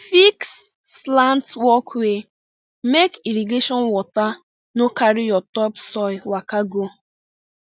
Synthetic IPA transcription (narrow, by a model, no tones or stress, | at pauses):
fiksː | lantwɔkwe | mekiɾiɡeʃɔnwɔta | nokaɾɪjɔtɔpsɔɪwakaɡo